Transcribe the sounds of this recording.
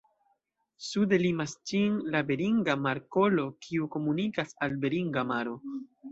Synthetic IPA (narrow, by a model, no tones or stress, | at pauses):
sude̞limast͡ʃinlabe̞ɾiŋɡamaɾko̞lo̞kʰiuko̞munikasalbe̞ɾiŋɡamaɾo̞